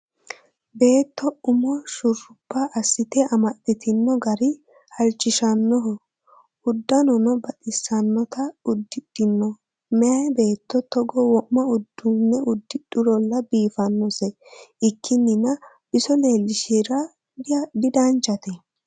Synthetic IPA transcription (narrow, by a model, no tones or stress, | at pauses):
be̞ːt̪ːɔʊmɔʃʊrːʊpːɐʔɐsːɪt̪ɛɐmɐt̪ːɪt̪ɪnːɔɡɐɾɪ | hɐlt͡ʃːɪʃɐnːɔɦɔ | ʊd̪ːɐnɔnɔbɐt̪ʼɪsːɐnːɔt̪ɐʊd̪ːɪɗ̥ɪnːɔ | mɛɐjbe̞ːt̪ːɔt̪ɔɡɔwɔʔmːɐʊd̪ːʊnːɛʊd̪ːɪɗʊɾɔlːɐbiːfɐnːɔsɛɪkʰːɪnːɪnɐ | b̥ɪsɔleːlːɪʃiɾɐ | d̪ɪd̪ant͡ʃːɐt̪ɛ